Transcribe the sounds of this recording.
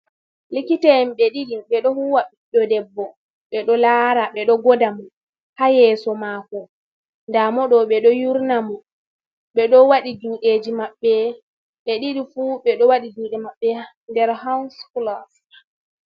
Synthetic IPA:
likitɛmɓɛɗiɗiɓɛɗɔhuwaɓiɗɔdɛbːɔ | ɓɛɗɔlaːɾaɓɛɗɔɡɔdamɔ | hajɛːsɔmaːkɔ | ndamɔɗɔɓɛɗɔjuɾnamɔ | ɓɛɗɔwaɗiduːɗed͡ʒimaɓːɛ | ɓɛɗiɗifuɓɛɗɔwaɗid͡ʒuːɗɛmaɓːɛ | ndɛɾhawnsflas

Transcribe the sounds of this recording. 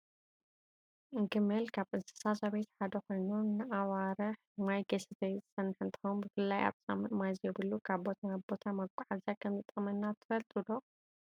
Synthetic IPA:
ʔɨŋɡɨmɐlkʰaβʔɨnsɨ̥sasaβet̪ħad̪ɐko̞jnunɨʔawaɾɐħmajɡɐsɐt̪ʰɐjzɨsɐnːɨħɨnt̪ʰɨ̥xombɨfɨlːaja̰βsʼa̰mɨmazjɛbɨlːukʰaβbo̞t̪ʰabo̞t̪ʰamɐkʷʼaʕazakʰɐmzɨt̪ʼːɐmɐnːat̪ʰɨ̥fɐlt̪ʼud̪o

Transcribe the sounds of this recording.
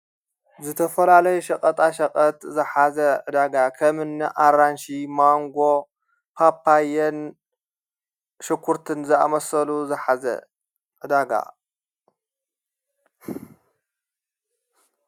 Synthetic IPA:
zɨt̪ʰɐfɐlalɐjuʃɐkʼɐt̪ʼaʃɐkʼɐt̪zɨħazɐʕɨd̪aɡakʰɐmɨnːiʔaɾanʃimaŋɡo̞ | pʰapːajɛn | ʃɨkʷʰːuɾt̪ʰɨnzɨa̰mɐsɐluzɨħazɐ̰ | ʕɨd̪aɡa̰

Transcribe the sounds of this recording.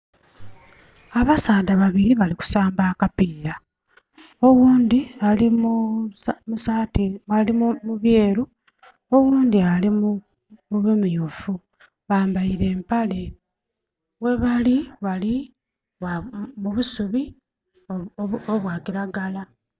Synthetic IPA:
aβasaːdaβaβiɾiβaliku̥saːmbaːkapiːɾa | o̞wuːnd̪ialimu | musaːtialimuβje̞ːɾu | o̞wuːnd̪ialimu | muβemujufu | βaːmbaiɾe̞ːmpale̞ | we̞βaliβali | amuβusuβi | oβwaːkiɾaɡala

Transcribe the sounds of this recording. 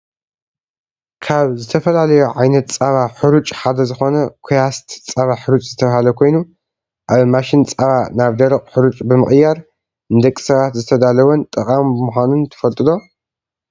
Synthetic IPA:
kʰaβzɨt̪ʰɐfɐlalɐjuʕajnɐt̪̚t͡sʼaβaħɨɾut͡ʃʼħad̪ɐzɨxo̞nɐkʷʰujast̪t͡sʼaβaħɨɾut͡ʃʼzɨt̪ʰɐβahalɐkʰo̞jnu | ʔaβmaʃint͡sʼaβanaβd̪ɐɾɐqʼħɨɾut͡ʃʼbɨmɨχʼɨjaɾ | ɨnd̪ɐkʼːi̥sɐβat̪zɨt̪ʰɐd̪alɐwɐnt̪ʼɐqʼambɨmuxʷanunt̪ʰɨ̥fɐlt̪ʼɨd̪o̞

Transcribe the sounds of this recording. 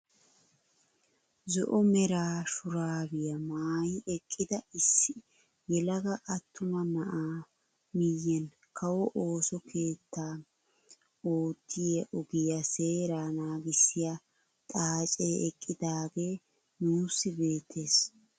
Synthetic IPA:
zɔ̰ʔɔmɛɾaːʃʊɾaːbɪjɐmaːjɪʔɛkʼːɪd̪ɐɪsːɪ | jɛlɐɡɐʔɐt̪ʰːʊmɐnɐʔaː | mɪjːɛn | kʰɐwɔʔo̞ːsɔkʰe̞ːt̪ːaː | oːt̪ʰːɪjɛʔɔɡɪjɐse̞ːɾaːnaːɡɪsːɪja | t̪ʼaːt͡ʃʼeʔɛkʼːɪd̪aːɡe̞ː | nuːsːɪbe̞ːt̪ʰːe̞ːs

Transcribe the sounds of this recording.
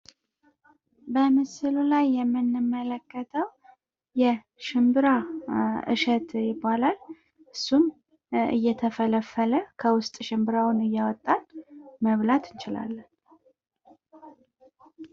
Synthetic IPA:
bəmɨsɨlulajːɛmːɨnːɨmːələkːət̪ʰəw | jɛ | ʃɪmbɨɾaʔɨ̰ʃət̪jɪbːalal | ʔɨsːum | ɨ̰jːɛt̪ʰəfələfːələkʰəwʊst̪ʼʃɨmbɨɾawʊnɨjːawɔt̪ʼːalməβlat̪ʰɨnt͡ʃɪla̰lːən

